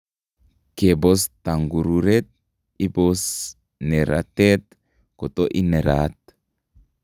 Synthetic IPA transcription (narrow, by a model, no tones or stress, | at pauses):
kebost̪aŋɡuɾuɾet̪̚ | ibos | neɾa̰t̪et̪ | kot̪oʔineɾat̪